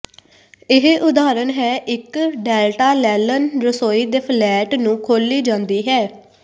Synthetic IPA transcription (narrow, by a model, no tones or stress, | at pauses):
ɪɦʔʊd̪aːɾənɦɛːʔɪkɖɛːlʈaːlɛːlənɾəsoːiːd̪eːpʰlɛːʈnũːkʰoːliːd͡ʒãːnd̪iːɦɛː